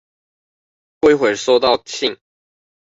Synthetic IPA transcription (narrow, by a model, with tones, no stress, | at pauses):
xwe˥˧ɪxwe˨˩ɪʂo˥˧ʊt̪ɑ˥˧ʊt͡ɕʰi˥˨ŋ